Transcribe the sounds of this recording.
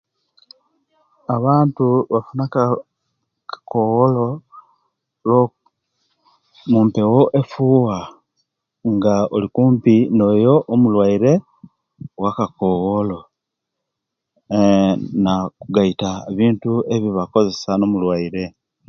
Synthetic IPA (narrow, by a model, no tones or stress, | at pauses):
aβaːntuβafunak | kkowolo̞ | lo | mumpe̞woʔe̞fuːwa | ŋɡaolikuːmpino̞jo̞ʔomulwaiɾe̞ | wakakowolo̞ | nakuɡaitaβiːntue̞βiβako̞ze̞sano̞mulwaiɾe̞